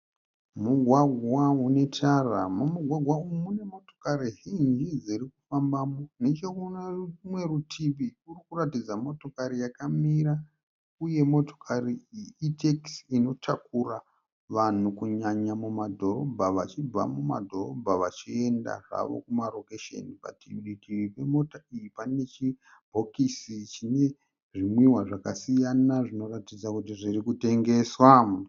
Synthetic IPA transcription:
muɡʱwaɡʱwaune̞tʰaramumuɡʱwaɡʱwaumune̞mo̞tokaɾiɦind͡ʒid͡ziɾikufambaːmonet͡ʃeumwe̞ɾutʰiʋiurikuratid͡zamo̞to̞kaɾijakamiɾa | uje̞mo̞to̞̥kʰariiteksino̞tʰakura | ʋan̤ukuɲaɲamumadʱo̞ro̞bʱaʋat͡ʃib͡va̰muma̰dʱo̞ro̞̰bʱaʋat͡ʃie̞nda̰ʐa̰ʋo̰kumaro̞keʃḛnipa̰tiɗikiipe̞mo̞taijipane̞t͡ʃi | bʱo̞kisit͡ʃine̞ | ʐimwiɦwaʐakasijanaʐino̞ratid͡zakut̬iʐirikute̞ŋɡe̞ːswa

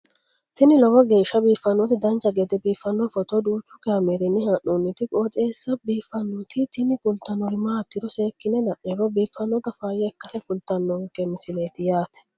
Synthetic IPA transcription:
t̪ɪnɪlɔwɔɡe̞ːʃːɐbiːfːɐnːɔt̪ɪd̪ɐnt͡ʃʼːɐɡɛt̪ɛbiːfːɐnːɔfɔt̪ɔd̪uːt͡ʃːʊkɐmɛɾɛnːɪhɐʔunːɪt̪ɪkʼoːt̪ʼeːsːɐbiːfːɐnːɔt̪ɪt̪ɪnɪkʊlt̪ːɐnːɔɾɪmaɐt̪ːɪɾɔse̞ːkːɪnɛd̪ɐʔɛɾɔbiːfɐnːɔt̪ɐfaːjɛɛkːɐsɛkʊlt̪ːɐnːɔŋkːɛmɪsɪleːt̪ɪjaːt̪ɛ̥

